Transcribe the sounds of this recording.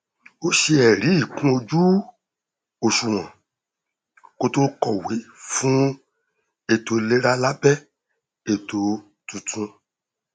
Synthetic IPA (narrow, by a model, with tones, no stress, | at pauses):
o˦ʃe˧ɛ˨ɾi˨˦i˦˨kũ˦o˧d͡ʒu˦ | o˧ʃu˨w̃ã˨ | ko˧to˦kɔ˨we˨˦fũ˦ | e˦˨to˨˧le˦ɾa˦la˦bɛ˦ | e˨to˧ | tũ˧˨tʰũ˧